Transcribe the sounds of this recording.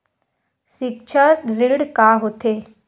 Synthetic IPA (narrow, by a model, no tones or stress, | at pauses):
sik̚t͡ʃʰəɾiɽkaɦot̪e